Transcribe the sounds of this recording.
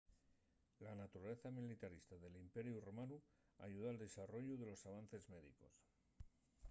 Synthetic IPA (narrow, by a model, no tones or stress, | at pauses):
lanat̪uɾaleθamilit̪aɾist̪aðe̞limpe̞ɾjuromanu | a̰ʝuð̞oald̪e̞saro̞ʎuðe̞lo̞saβ̞anθe̞zme̞ðḭko̞̰s